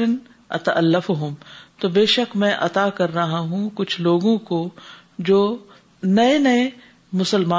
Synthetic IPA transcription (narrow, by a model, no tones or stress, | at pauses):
ɐn | ɐ̰t̪ɐʔɐlːəfʊɦʊmt̪oːbeːʃəkmɛ̃ʔɐt̪aːkɐɾːɐɦaɦũkʊt͡ʃʰloːɡõko | d͡ʒoː | nɐenɐe | mʊsəlmaː